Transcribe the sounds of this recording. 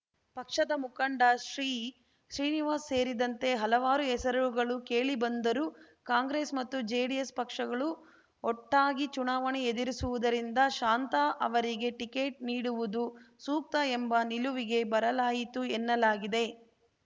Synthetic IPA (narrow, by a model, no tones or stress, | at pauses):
pɐkʂɐd̪ɐmukɐɳɖaʃɾiː | ʃɾiːniʋaːsːe̞ːɾid̪ɐnt̪e̞ɦɐlɐʋaːɾuɛsɐɾɐuɡɐɭuke̞ːɭibɐnd̪ɐɾu | kaːŋɡɾeːsmɐt̪ːud͡ʒeːɽijespɐkʂɐɡɐɭu | ɔʈːaːɡit͡ʃunaːʋɐɳeed̪iɾisuʋud̪ɐɾind̪ɐʃaːnt̪aʔɐ̰ʋɐɾiɡe̞ʈike̞ːʈ̚niːɽuʋud̪usuːk̚t̪ɐembɐniluʋiɡe̞bɐɾɐlaːjit̪uenːɐlaːɡid̪e̞